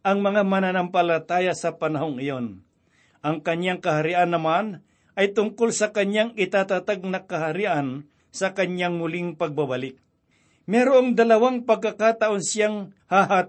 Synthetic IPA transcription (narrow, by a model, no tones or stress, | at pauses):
ʔɐŋmɐŋamɐnanampɐlɐt̪aːjasɐpɐnɐɦoŋɪjon | ʔɐŋkɐɲaŋkɐhaɾiʔanːɐman | ʔɐjt̪ʊŋkolsɐkɐɲaŋɪt̪aːt̪at̪aɡ̚nɐkɐɦaɾiʔɐn | sɐkɐɲjaŋmʊlɪŋpɐɡ̚babalɪk̚ | mɛːɾoɐŋd̪ɐlɐwaŋpɐɡ̚kakaːt̪ɐʔonsjaŋhaɦa